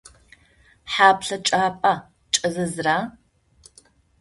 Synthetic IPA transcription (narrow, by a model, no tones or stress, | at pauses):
ħaːpɬɐt͡ʃʼaːpʼa | t͡ʃʼɐzɐzraː